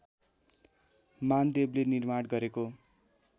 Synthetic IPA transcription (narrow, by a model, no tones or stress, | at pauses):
mand̪eblenirmaɽɡʌɾeko